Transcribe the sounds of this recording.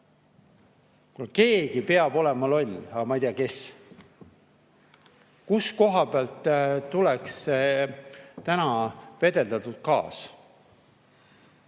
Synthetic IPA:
kulke̞ːɡ̥ipeɑbo̞lemɑlo̞lʲɑɡɑmɑjt̪eɑke̞s | kusko̞ɦɑbeɑlt̪ːt̪ːulɛks | t̪ænɑpe̞d̪e̞ld̪ɑt̪ut̪̚kɑ̰ːs

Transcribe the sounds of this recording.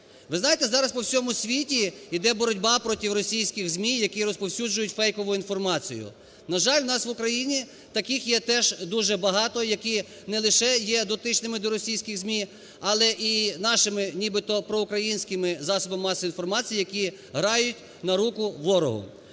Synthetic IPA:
ʋɪznɑjet̪ɛzɑɾɐspɔwsʲɔmʊsʲʋʲitʲiid̪ɛbɔɾɔdʲbɑpɾɔtʲiwɾɔsʲijsʲkʲɪɣzʲmʲijɐkʲiɾɔspɔwsʲud͡ʒʊjʊtʲfɛjkɔʋʊinfɔrmɑt͡sʲḭjʊ̰ | nɐʒɑlʲʋnɑsʋʊkɾɐjinʲi | t̪ɐkɪxjɛt̪ɛʒd̪uʒɛbɐɦɑt̪ɔjɐkʲi | nɛlˠɪʃɛjɛd̪ɔt̪ɪt͡ʃnɪmɪd̪ɔɾɔsʲijsʲkʲɪɣzʲmʲi | ɐlˠɛʔinɑʃɪmɪnʲibɪt̪ɔpɾɔʊkɾɐjinʲsʲkɪmɪzɑsɔbɐmːɑsɔinfɔrmɑt͡sʲijjɐkʲi | ɦɾɑjʊtʲ | nɐɾukʊʋɔɾɔ̰ɦʊ̰

